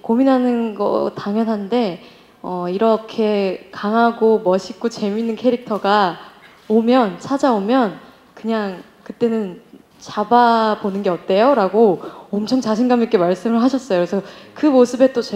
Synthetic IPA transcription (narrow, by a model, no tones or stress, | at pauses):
kominɦanɯnɡʌ̰taŋjʌnɦande̞ | ʌiɾʌkʰe̞kaŋɦaɡomʌɕʰik͈ot͡ɕe̞minːɯnkʰeɾik̚tʰʌɡa | omjʌnt͡ɕʰad͡ʑaomjʌn | kɯɲaŋ | kɯt͈e̞nɯn | t͡ɕababonɯnɡe̞ʌp̚t͈e̞joɾaɡoʌmt͡ɕʰʌŋt͡ɕaɕʰinɡamik͈e̞maɭs͈ɯmɯɭɦaɕʰʌs͈ʌjoesʰʌkɯmosʰɯbe̞t͈ot͡ɕ